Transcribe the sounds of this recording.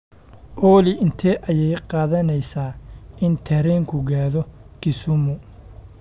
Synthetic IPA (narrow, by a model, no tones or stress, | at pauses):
ʔɔːlɪʔɪnt̪ʰɛʔɐjɛjqɑːðɐnɛjsaːɪnt̪ʰɛɾɛːŋkʰʊɡaːðɔkʰɪsʊmʊ